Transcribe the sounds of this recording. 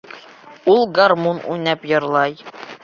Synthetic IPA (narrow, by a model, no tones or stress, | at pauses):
ulˠɡarmunṵjnæpjɤ̆ɾlˠɑj